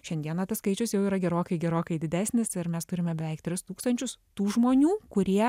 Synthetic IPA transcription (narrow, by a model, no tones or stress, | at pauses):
ʃʲɛnd̪iɛnɐt̪ɐsskɐɪt͡ʃʲʊsjɛʊiːɾɐɡʲɛɾoːkɐɪɡʲɛɾoːkɐɪd̪ʲɪd̪ʲæːsʲnʲɪsɪɾmʲɛst̪ʊɾʲɪmʲɛbʲɛʋʲɛɪk̚t̪ʲɾʲɪst̪uːkst̪ɐnʲt͡ʃʲʊst̪uːʒmoːnʲuːkʊɾʲiɛ